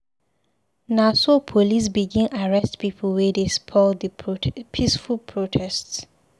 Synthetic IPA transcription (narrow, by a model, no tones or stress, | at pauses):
nasopʰolis̬biɡĩnʔaɹɛstpipʰəlwɛdespʰɔldəpʰisfulpʰɹotʰɛsts